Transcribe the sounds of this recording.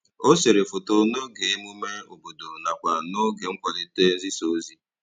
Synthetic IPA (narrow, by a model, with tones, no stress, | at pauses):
o˦se˨ɾe˨fo˨to˨no˦ɡe˨e˦mu˦me˦o˨bo˨do˨na˨kʷa˨no˦ɡe˨ŋ̩˦kʷɔ˨le˦te˦n̩˦zi˦so˨˦zi˦